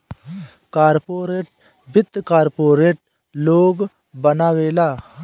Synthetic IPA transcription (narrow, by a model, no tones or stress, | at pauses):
kaːɾpoːɾeːʈ̚ | bɪt̪ːkaːɾpoːɾeːʈ | loːɡ | bɐnaːweːlaː